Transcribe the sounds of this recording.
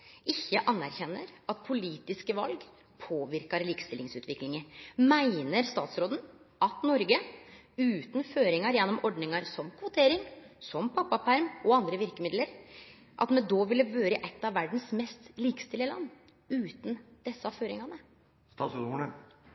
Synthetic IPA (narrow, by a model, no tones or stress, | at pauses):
ɪçːəʔɑnːæɾçɛnːəɾɑt̪̚pʰʊliːt̪ɪskəʋɑ̰lɡ | pʰoːʋɪɾkɑɾliːkst̪ɪlɪŋsʉːt̪ʋɪklɪŋəmæɪnəɾst̪ɑːt̪sɾoːd̪ən̩ | ʔɑt̪nɔɾɡə | ʉːt̪n̩føːɾɪŋɑɾjɛnːɔmɔɖnɪŋɑɾsɔmkʰʋʊt̪ʰeːɾɪŋsɔmpʰɑpːɑpæɾmɔɑnd̪ɾəʋɪɾkəmɪd̪ləɾ | ʔɑ̰t̪mɛd̪oːʋɪlːəʋøːɾəʔɛt̪ːɑʋːæɖn̩smɛst̪liːkə̥st̪ɪlɪəlɑ̰nː | ʉːt̪nd̪̥ɛsːəɑʋføːɾɪ̰ŋɑnə | st̪ɑːt̪soːd̪ə